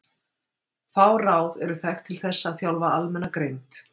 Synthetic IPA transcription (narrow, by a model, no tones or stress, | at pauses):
faːwraːwðɛɾʏθɛxt̪ʰɪlθɛsːaːθjawlvaalmɛnːakɾejnt̪